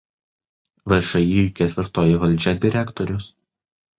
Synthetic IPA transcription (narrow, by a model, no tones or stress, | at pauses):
ʋɐʃɐjikʲɛt̪ʲʋʲɪɾt̪oːjɪʋɐlʲˑd͡ʒʲɛd̪ʲɪɾʲækt̪ɔɾʲʊs